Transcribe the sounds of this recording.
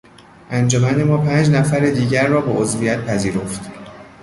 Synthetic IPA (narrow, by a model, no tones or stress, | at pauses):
ʔænd͡ʒomænemɒːpʰæːnd͡ʒnæfæɾed̪iːɟæɾːɒːbeʔozvijæt̪̚pʰæziːɾo̞ft̪